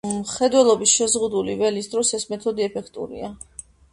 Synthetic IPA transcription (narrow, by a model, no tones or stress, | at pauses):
χɛd̪wɛlˠɔbisʃɛzʁud̪ulivɛlisd̪ɾɔsɛsmɛt̪ʰɔd̪iɛpʰɛkʰt̪ʼṵɾḭa